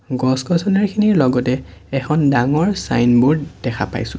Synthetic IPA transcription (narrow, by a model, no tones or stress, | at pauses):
ɡɔsɡɔsʰɔnɛɹkʰiniɹlɔɡɔtɛɛxʰɔndaŋɔɹsa̰jnbʊɹd̥ɛkʰa̰pa̰jsʊ̃